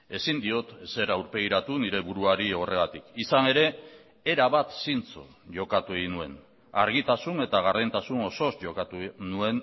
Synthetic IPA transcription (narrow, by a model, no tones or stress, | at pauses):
e̞sind̪io̞t̪se̞ɾawɾpe̞ɣiɾat̪uniɾe̞βuɾuaɾio̞re̞ɣat̪ikisane̞ɾe̞ː | ɾaβat̪sint͡so̰ | ʝo̞kat̪ue̞ɣinue̞n | a̰ɾɣ̞it̪asune̞t̪aɣ̞arðent̪asuno̞so̞sʝo̞kat̪unue̞n